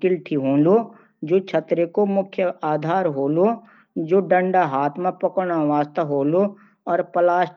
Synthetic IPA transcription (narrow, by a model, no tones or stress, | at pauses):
kɪlʈʰiɦõːlo | d͡ʒoːt͡ʃʰɐt̪ɾekomʊkʰjəaːd̪ʱaːɾɦoːlo | d͡ʒoːɖə̃ɳɖaɦaːt̪ʰmẽpɐkɽ̃aʋaːst̪əɦoːlo | ɔːɾpɐlaːʃ